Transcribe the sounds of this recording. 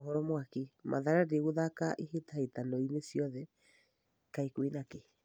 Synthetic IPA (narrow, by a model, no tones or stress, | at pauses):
hɔɾɔmwakimʔa̰ðaɾadeɣoðakaʔihetahetanɔinesjɔðɛ | kaikwinake